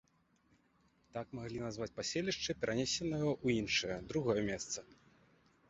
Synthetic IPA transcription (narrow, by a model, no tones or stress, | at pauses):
t̪akmaɣlʲinazvat͡sʲpasʲelʲiʂt͡ʂɨpʲɛɾʔanʲesʲɛnɐjɐʔuinʂɨjɐd̪ɾuɣɔjɐmʲɛst̪sɐ